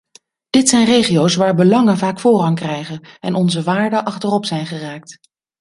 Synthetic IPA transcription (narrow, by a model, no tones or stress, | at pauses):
d̥ɪtsɛjnrejχiowsʋaːɹbəlɑŋənvaːkfʊːrɑŋkrɛjχənɛnʔɔnzəʋaːɹdəʔɑχtərɔpsɛjnχəraːk̚t